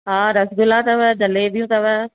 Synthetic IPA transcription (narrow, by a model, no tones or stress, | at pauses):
ɦãːɾɐsɡʊlat̪ɐʋəd̪ɐlebijũt̪ɐʋə